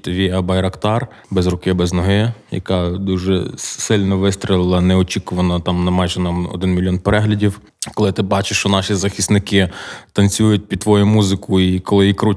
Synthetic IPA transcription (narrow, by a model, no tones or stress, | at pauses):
t̪ɔʋʲijɐbɐjɾɐkt̪ɑr | bɛzrʊkɪbɛznɔɦɪjɐ̰kɑd̪uʒɛsɪlʲnɔʋɪst̪ɾʲilˠɪlˠɐnɛɔt͡ʃʲikʊʋɐnɐt̪ɑmnɐmɑjʒɛnɑmɔ̰d̪ɪnmʲilʲjɔnpeɾɛɦlʲɐdʲiw | kɔlˠɪt̪ɪbɑt͡ʃeʃt͡ʃɔnɑʃizɐxʲist̪nɪkɪt̪ɐnt͡sʲujʊt̚ʲpʲid̪̚t̪ːʋɔjʊmuzɪkʊikɔlˠɪjikɾu